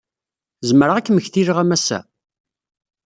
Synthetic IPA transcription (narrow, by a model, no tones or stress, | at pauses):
zəməɾaʁækːməçθiɾəʁæmæsæ̰